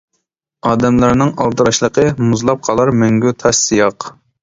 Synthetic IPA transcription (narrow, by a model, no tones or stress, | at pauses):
ɑːd̪ɛmlˠɑɾnɪŋɑlˠt̪ɨɾɑʃlˠəqʰəmuzlˠɑp̚qʰɑlˠɑɾmøŋɡʲyt̪ʰɑʃsijɑq